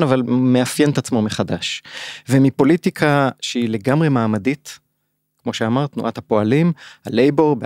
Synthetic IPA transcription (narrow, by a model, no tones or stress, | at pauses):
navalmeafjenet̪at͡smo̞meχadaʃvemipo̞litikʰaʃeile̞ɡamʁe̞maːmadit | kmo̞ʃeamaʁt̪nṵʔat̪hapo̞alimhalejboʁb